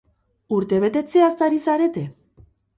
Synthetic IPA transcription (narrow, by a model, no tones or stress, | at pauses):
uɾt̪e̞βe̞t̪e̞t͡se̞ast̪aɾisaɾe̞t̪e̞